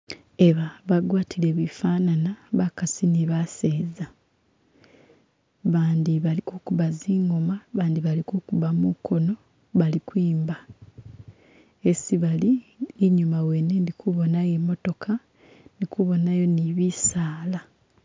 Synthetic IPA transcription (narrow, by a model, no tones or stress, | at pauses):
e̞βaβaɡwaːtʰile̞βifaːnanaβakasiniβaseːza | βaːndiβalikukuβaziːŋɡo̞maβaːnd̪iβalikukuβamukʰo̞no̞ | βalikwiːmba | esiβaliːɲumawenendikuβo̞najemo̞to̞kʰa | nikuβo̞najo̞niβisaːla